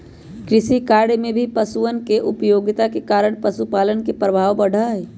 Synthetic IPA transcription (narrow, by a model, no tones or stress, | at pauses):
kɾɪsikaɽmebʱipəsuənkeʔupjoɡt̪akekaɾəɳpəsupaːlənkepɾəbʱaːʋbəɽ̤ʱəj